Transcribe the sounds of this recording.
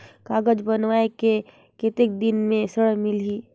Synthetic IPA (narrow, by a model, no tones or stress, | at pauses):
kaːɡəd͡ʒbənʋaːeke | ket̪ek̚d̪ɪnmẽsəɽəɦmɪliː